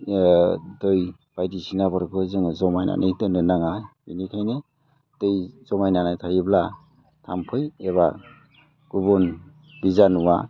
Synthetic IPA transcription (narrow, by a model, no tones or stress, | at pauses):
dɯj | b̥ajdisinabaɾkʰɯzɯŋzɔmajna̰nʔɯjtɯnɯnaŋabinikʰajnɯ | tɯjz̥ɔmajnanajtʰajɯbla | tʰampʰɯjeβa | ɡ̥ubɔn | b̥izanuwa̰